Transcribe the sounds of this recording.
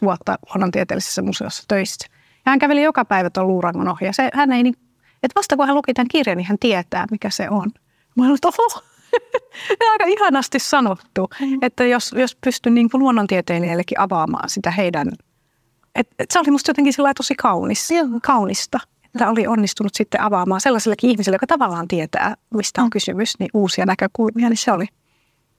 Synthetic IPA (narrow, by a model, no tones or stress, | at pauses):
t̪uot̪ːɑ̰luonːont̪iet̪ḛːlise̥sːæmusḛo̰sːɑ̥t̪øisːæ̥ | jɑhæŋkæʋelijokɑpæiʋæt̪olluːrɑŋkonohijɑsehænːeiniːŋku | et̪ʋɑst̪ɑkuhælukit̪æŋkirjɑnihænt̪iet̪æ̰ːmikæsḛon | mɑioet̪oo | eɑikɑihɑnɑst̪issɑnot̪ːuet̪ːæjosjospyst̪ynniːŋkuluonːont̪iet̪eːnielːekːiʔɑʋɑːmɑ̰ːnsit̪æheidæn | et̪et̪seolimust̪jot̪eŋkinsilːɑit̪osikɑuniskɑunist̪ɑ | e̥t̪ːæoliʔonːist̪unut̪sit̪ːḛʔɑʋɑːmɑːselːɑselːekːiihmisilːejokɑt̪ɑʋɑlːɑːnt̪iet̪æ̰ːmist̪æoŋkysymysniʔuːsiɑnækøkulmiɑnisseoli